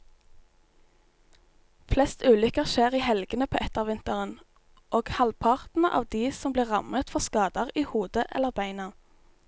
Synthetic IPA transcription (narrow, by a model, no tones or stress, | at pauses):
flɛst̪ʉːlʏkəʁʃeːʁiːhɛlɡənəpʰoːʔɛt̪əʁʋɪnt̪əʁən | ʔoːɡ̥hɑlpʰɑʁt̪n̩ʔɑ̰ːʋd̪iːsɔmbliːʁɑmət̪fɔʁskɑːd̪əʁiːhuːd̪əʔɛ̰lːəʁbæɪnɑ